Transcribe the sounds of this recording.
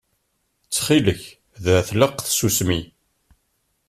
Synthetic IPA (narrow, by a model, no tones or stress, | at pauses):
t͡sːχiləç | ðæθləqθsusmi